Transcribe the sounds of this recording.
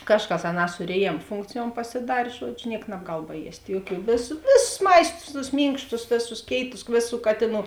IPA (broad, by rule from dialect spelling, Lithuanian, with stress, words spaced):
ˈkɑːʃˌkɐs ɐˈnɑː sʊ rʲeːˈjeːm ˈfʊŋkt͡sʲɪjuɔm pɐsʲɪˈdɐrʲ ˈʒuɔd͡ʒʲʊ ˈnʲiɛk nɐbˈɡɐlˠ bɐˈjiɛsʲtʲ ˈjuɔˌkʲuː ˈʋʲeːsʊs ˈʋʲeːsʊs ˈmɐɪstʊs tʊs ˈmʲiːŋkʃtʊs ˈʋʲeːˌsʊs ˈkʲeːɪtʊs ˈʋʲeːˌsuː ˈkɑːtʲeːˌnuː